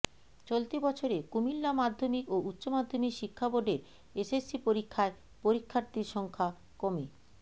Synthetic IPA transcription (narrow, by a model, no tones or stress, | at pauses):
t͡ɕolt̪ibɔt͡ɕʰoɾekumilːamad̪ʱːomikoʔutːɕomad̪ʱːomikʃikʰːaboɖeɾ | esesːipoɾikʰːae | poɾikʰːaɾt̪iɾʃɔŋkʰa | komi